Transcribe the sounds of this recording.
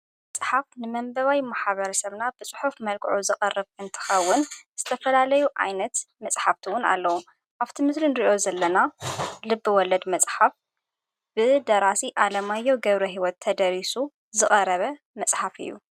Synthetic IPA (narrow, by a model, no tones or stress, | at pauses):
mɐt͡sʼħafnɨmɐmbɐβajmaħβɐɾɐsɐβnabɨt͡sʼɨ̥ħufmɐlkʼʕuzɨkʼɐrɨβʔɨnt̪ʰɨ̥xɐwːʊnz̥ɨt̪ʰɐfɐlalɐjuʔa̰jnɐt̪mɐt͡sʼħaft̪ʰiwʊna̰lːɐwu | ʔaβt̪ʰimɨslinɾiʔo̞zɐlːɐnalɨbːɨwɔlɐd̪mɐt͡sʼħaf | b̥ɨd̪ɐɾasiʔalɐmajːowɡɐβɾoɦiwɔt̪ʰːɐd̪ɐɾisu | zɨχʼɐɾɐβɐ | mɐsʼħafɨ̰jːṵ